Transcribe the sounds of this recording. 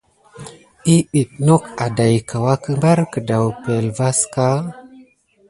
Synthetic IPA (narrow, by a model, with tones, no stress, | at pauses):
i˦i˨t̚no˦ka˨da˨jkʰa˨wa˦kə˦mba˦ɾkə˨da˨wpe˨lva˦ska˦